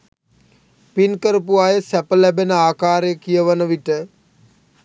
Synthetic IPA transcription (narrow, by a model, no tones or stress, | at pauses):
pinkəɾəp̬uaːjəsæpəlæbenəaːkaːɾejəkijəʋənəʋiʈə